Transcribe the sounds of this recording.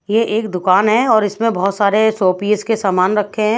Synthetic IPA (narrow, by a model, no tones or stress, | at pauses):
jeʔːkd̪ʊkaːnɦɛɔːɾɪsmẽbɔɦʊt̪saːɾesoːpiːskesaːmaːnɾɐkʰːeɦɛ̃ː